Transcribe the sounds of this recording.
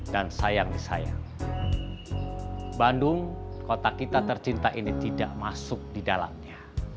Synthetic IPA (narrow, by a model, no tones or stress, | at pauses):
dansajaŋdisa̰ja̰ŋ | bandʊŋkot̪akit̪at̪ərt͡ʃint̪aʔinit̪idaʔmasʊk̚didala̰mɲa